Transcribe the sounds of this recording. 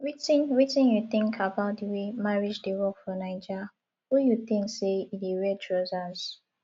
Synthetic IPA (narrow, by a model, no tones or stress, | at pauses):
ɹitĩnɹitĩnjuθɪ̃ŋkʰabaʊt̚diwemaɹid͡ʒdiwɔkfɹɔ̃naɪd͡ʒa | hujuθĩŋkseidiɹɛtʰɹozaz̥